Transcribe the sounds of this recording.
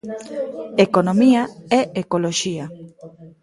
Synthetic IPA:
ekonomiaɛʔekoloʃia

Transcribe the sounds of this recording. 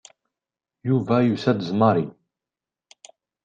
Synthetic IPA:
juvæjusæd̪əzmaɾi

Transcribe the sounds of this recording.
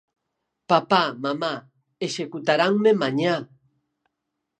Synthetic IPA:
papamama | eʃekʊt̪aɾaŋmɪmaɲa

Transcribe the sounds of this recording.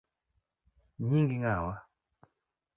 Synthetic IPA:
ɲiŋɡiŋawa

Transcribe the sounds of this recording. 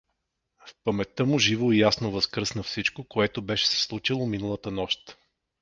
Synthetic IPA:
fpəmɛt̪ːɤmʊʒivoijasnovəskɾɤsnəfsit͡ʃkokoɛt̪obɛʃɛ̥sɛ̥slˠut͡ʃilˠominəlˠət̪ənɔʃt̪

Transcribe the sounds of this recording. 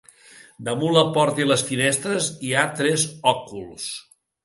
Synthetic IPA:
d̪əmunləpɔɾt̪iləsfinɛst̪ɾəziat̪ɾɛzɔkulˠs

